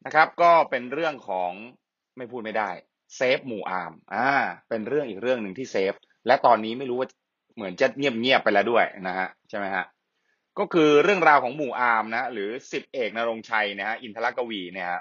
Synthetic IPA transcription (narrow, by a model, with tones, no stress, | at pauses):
na˦˥kʰa˦˥p̚kɔː˥˩pe˧nɾɯ˥˩əŋkʰɔː˩˦ŋ | ma˥˩jpʰuː˥˩t̪̚ma˥˩jda˥˩j | seː˦˥p̚muː˨˩ʔaː˧mʔaː˧˩pe˧nɾɯ˥˩əŋʔiː˨˩k̚ɾɯ˥˩əŋnɯ˨˩ŋt̪ʰiː˥˩seː˦˥p̚ | lɛ˦˥t̪ɔː˧nːiː˦˥ma˥˩jɾuː˦˥waː˥˩t͡ɕ | mɯ˩˦ənt͡ɕa˨˩ŋi˥˩əp̚ŋi˥˩əpːa˧jlɛː˦˥wdu˥˩əjna˦˥kʰa˦˥ʔt͡ɕʰa˥˩jma˦˥jha˦˥ʔ | kɔː˥˩kʰɯː˧ɾɯ˥˩əŋɾaː˧wkʰɔː˩˦ŋmuː˨˩ʔaː˧mna˦˥a˦˥ɾɯː˩˦si˨˩p̚ʔeː˨˩k̚na˧ɾo˧ŋt͡ɕʰa˧jni˦˥˩ha˦˥ʔi˧nt̪ʰa˧a˦˥kːa˧wiː˧ni˦˥˩ɐha˦˥